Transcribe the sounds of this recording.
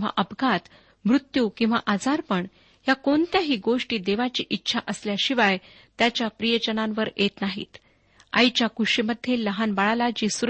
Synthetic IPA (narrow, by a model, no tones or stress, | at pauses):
a̰ʔəbɡʱat̪ | mɾut̪juːkĩw̃ʋa̰ʔad͡zaɾpəɳ | jakont̪jaɦiːɡoʂʈiːd̪eʋat͡ɕiːʔitːɕʰaʔəsljaɕiʋaj | t̪jat͡ɕjapɾijəd͡ʑənãnʋəɾjet̪naɦḭːt̪ | a̰jt͡ɕjakuʂiməd̪ʱjeləɦanbaɭalad͡ʑiːsuɾ